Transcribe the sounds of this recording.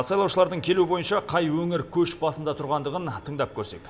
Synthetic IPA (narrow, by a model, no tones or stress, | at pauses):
sɑjlˠɑwʃəlˠɑɾd̪əŋkʲʰeluɪbo̞jənʃɑqʰɑjwɵŋɪɾkʲʰɵʃbɑsənd̪ɑt̪ʰʊɾʁɑnd̪əʁənt̪ʰəɴd̪ɑp̚kʲʰɵɾse̞̰k